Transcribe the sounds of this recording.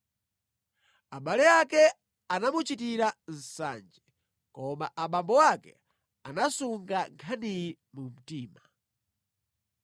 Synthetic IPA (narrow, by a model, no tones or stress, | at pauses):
aɓalɛakɛ | anamut͡ʃitiɾan̩sa̰ːnd͡ʒɛ | kɔmaʔaɓambɔwakɛ̰ | anasuŋɡaŋkʰani | mum̩tiːma